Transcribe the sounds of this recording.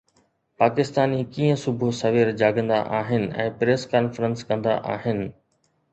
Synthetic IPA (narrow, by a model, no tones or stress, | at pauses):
paːkɪst̪aːnikiːə̃sʊbʱʊsɐʋeːɾd͡ʑaːɡə̃nd̪a̰ʔaːɦɪnɪ̆ɛ̰̃ːpɾeːskaːnfəɾə̃nskɐ̃nd̪a̰ʔa̰ːɦɪnɪ̆